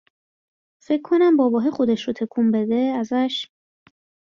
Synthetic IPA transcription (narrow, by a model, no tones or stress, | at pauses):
fe̞kʰːo̞næmbɒːbɒːɦexo̞d̪eʃɾot̪ʰe̞kʰumbe̞d̪eæzæʃ